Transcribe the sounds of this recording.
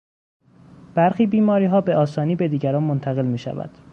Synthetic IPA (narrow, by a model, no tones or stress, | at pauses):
b̥æɾxiːbiːmɒːɾiːɦɒːbe̞ʔɒːsɒːniːbe̞d̪iːɟæɾɒːnmont̪ʰæɣe̞lmiːʃæ̰væ̰d̪̥